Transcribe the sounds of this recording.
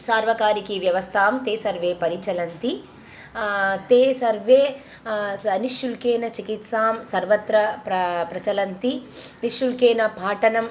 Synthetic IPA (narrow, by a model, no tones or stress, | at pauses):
saːɾʋɐkaːɾikiʋjɐʋɐst̪ʰaːmt̪eːsɐɾʋeːpɐɾit͡ʃɐlɐnt̪i | t̪eːsɐɾʋeː | ɐniʃjulkeːnɐt͡ʃikit̪saːmsɐɾʋɐt̪ɾɐpɐpɾɐt͡ʃɐlɐnt̪i | niʃjulkeːnɐpaːʈɐnɐm